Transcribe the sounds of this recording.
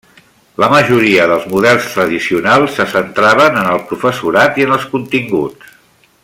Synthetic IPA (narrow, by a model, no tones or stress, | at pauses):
ləməʒuɾiəðəlˠzmuðɛlˠst̪ɾəðisiunalˠsːəsənt̪ɾaβənənəlˠpɾufəsuɾat̪iənəlˠskunt̪iŋɡṵt͡s